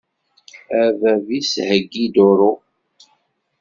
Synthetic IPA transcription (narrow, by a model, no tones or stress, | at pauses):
ævævishəɡːid̪ʊɾʊ